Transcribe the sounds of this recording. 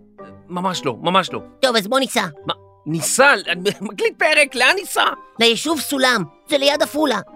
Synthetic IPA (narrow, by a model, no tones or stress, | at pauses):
mamaʃlo̰mamaʃlo̞̰t̪o̞vazbo̞nisama | nisalanmaklit̪̚peʁekleanisalejeʃuvsulam | zelejad̪afula